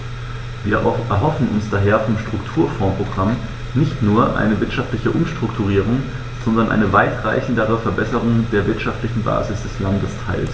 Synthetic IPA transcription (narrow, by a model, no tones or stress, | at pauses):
viːɐʔɛɐɦɔfn̩ʔʊnsd̥aːɦeːɐfɔmʃtʁ̥ʊktʰuːɐfɔ̃ːpʁ̥oɡʁam | nɪçtnuːɐʔa̰ɪnəvɪɐtʃaftlɪçəʔʊmʃtʁ̥ʊktʰuʁiːʁ̞ʊŋ | z̥ɔndɐnʔa̰ɪnəvaɪtʁ̥a̰ɪçn̩dəʁ̞əfɛɐbɛsəʁ̞ʊŋdeːɐvɪɐtʃaftlɪçn̩ba̰ːzɪsd̥ɛslandəstʰaɪls